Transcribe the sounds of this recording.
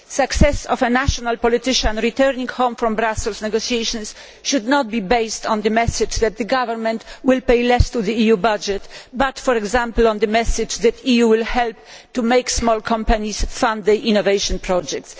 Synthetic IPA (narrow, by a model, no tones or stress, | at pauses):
saksɛsɔfɛnaʃɔnalpɔlit̪ɪʃãnɾit̪ɛɾnĩŋɡhɔ̃ʊ̃mfɾɔ̃mbɾasɛlsnɛɡosiejʃɔ̃ns | ʃud̪nɔt̪̚bibejst̪ɔ̃nd̪əmɛsɪd͡ʒd̪ɛt̪̚d̪ɨɡavɛɾmɛ̃nt̪wɪlpejlɛst̪uðiijubad͡ʒɛt̪bat̪fɔɾɛɡzãmpl̩ɔ̃nd̪ɨmɛsɪd͡ʒd̪ɛt̪ijuwɪlhɛlp̚t̪ːumeɪjksmɔlkʰɔ̃mpanisfãnd̪ɛʔĩnɔvejʃɔ̃npɾɔd͡ʒɛk̚t̪s